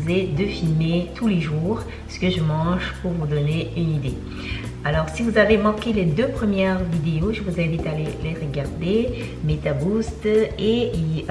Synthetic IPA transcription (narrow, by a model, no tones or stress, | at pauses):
zed̪əfilmet̪ʰuleʒuːʁ | sə̥kəʒəmɑ̃ʒpuʁvud̪ɔneynid̪ḛ | alɔʁsivuzavemɑ̃kʲeled̪øpχəmjɛʁvid̪eoʒəvuzɛ̃vit̪aleleʁəɡaʁd̪e | met̪abust̪ei